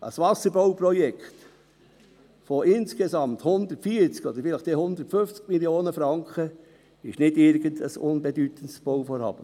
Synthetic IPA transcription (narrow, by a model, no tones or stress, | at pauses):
ʔə̰sʋɑsəɾbowpɾɔjɛkχt̪ | foɪnskezɑmt̪hʊnd̪ətfiːəɾt͡skɔd̪əɾfɪlɪχd̥̪ehʊnd̪ətføft͡skmiljoːnəfɾɑŋkχə | ɪʃnɪdɪɾɡənd̪əsʊnbɛd̪yt̪əntsb̥owfɔɾhɑ̰ːb̥ə